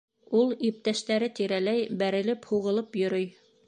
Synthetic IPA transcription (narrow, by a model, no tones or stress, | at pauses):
ulˠip̚t̪æʃt̪æɾɘt̪iɾælæjbæɾɘ̆lɘphuʁɤ̆lˠɤpjɵ̆ɾɵj